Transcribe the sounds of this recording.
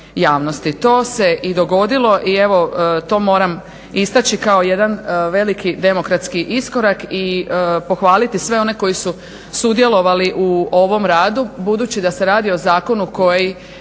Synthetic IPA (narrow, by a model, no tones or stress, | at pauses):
jaːʋno̞st̪it̪o̞ːse̞ʔid̪o̞ɡo̞d̪ilˠo̞ʔie̞ʋo̞t̪o̞ːmo̞ːɾam | ist̪at͡ɕikao̞je̞d̪anʋe̞likid̪e̞mo̞kɾat̪skiʔisko̞ɾakipo̞xʋaːlit̪isʋe̞o̞ne̞ko̞jisu | sud̪je̞lo̞ʋaliʔuo̞ʋo̞mɾaːd̪ubud̪uːt͡ɕid̪ase̞ɾaːd̪io̞zaːko̞nuko̞ji